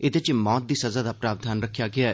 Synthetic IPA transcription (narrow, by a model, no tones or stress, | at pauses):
ɪt̪et͡ʃmɔːt̪̚d̪iːsɐzaːd̪aːpɾaːʋd̪ʱaːnɾəkʰːjaːɡɪaːɛ